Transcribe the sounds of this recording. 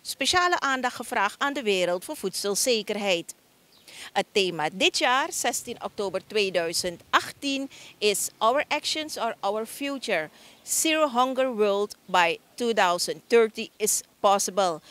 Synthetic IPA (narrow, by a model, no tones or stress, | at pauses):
speʃaːləʔaːndɑxχəfraːχaːndəʋeːɾəlˠtfoːfutsəlˠseːkərɦɛjt | ətːeːmadɪtjaːrsɛstinʔɔ̰k̚toːbərtweːdœɥzəntʔɑχtinɪsʔɔwəɹʔɛkʃənsɔɹʔɔwəɹfjut͡ʃəɹsiɹoɦɔŋɡəɹwɜldbajtudawsənttɜɹtiɪspɔsəbəlˠ